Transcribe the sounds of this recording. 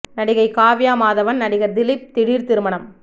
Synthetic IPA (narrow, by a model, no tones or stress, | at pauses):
nɐɽɪɣɐɪkaːʋɪjaːmaːðɐʋɐnnɐɽɪɣɐɾd̪ɪlɪp̚t̪ɪɽiːɾt̪ɪɾɯmɐɳɐm